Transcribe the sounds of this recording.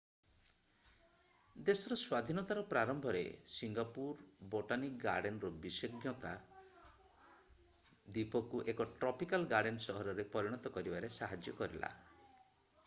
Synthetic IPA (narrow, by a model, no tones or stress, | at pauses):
d̪esɔɾɔswad̪ʱinɔt̪aɾɔpɾaɾɔmbʱɔɾḛsiŋɡapuɾboʈanikɡa̰ɾɖenɾɔbisɔɡjɔt̪a | d̪ipɔkuʔekɔʈɾɔpikalɡaɖensɔɦɔɾɔɾepɔɾiɽ̃ɔt̪ɔkɔɾibaɾesaɦad͡ʒjɔ̰kɔɾila̰